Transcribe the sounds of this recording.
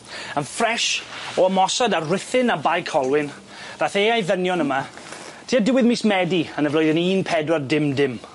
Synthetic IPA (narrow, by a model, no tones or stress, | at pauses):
ənfrɛʃɔəmɔsadarɪθɪnabajkʰɔlˠwɪn | v̥aːθeːajðənjɔnəma | tʰiːadɪwɪðmismɛdiənəvlʊjðəniːnpʰɛdwardɪmdɪm